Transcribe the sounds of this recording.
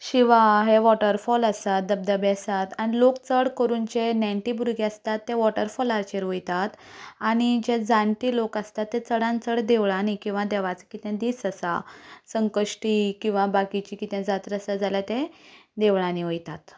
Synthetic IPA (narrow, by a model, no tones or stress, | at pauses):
ɕiʋaɦeʋɔʈəɾfɔləsat̪̚d̪əb̚d̪əbeəsat̪aɽ̃ilokt͡səɽkəɾuːnt͡ɕenãɳʈibuɾɡeəst̪at̪ːeʋɔʈəɾfɔlaɾt͡ɕeɾʋojt̪at̪ | aɽ̃id͡ʑed͡zaɳʈ̪iːlokəst̪at̪ːet͡səɽãnt͡səɽd̪eʋɭanikĩw̃ʋad̪ɛʋat͡sə̥kit̪ɛ̃d̪iːsəsa̰səŋkəʂʈikĩw̃ʋabakit͡ɕikit̪ɛ̃d͡zat̪ɾəsad͡zalat̪ed̪eʋɭãniʋojt̪at̪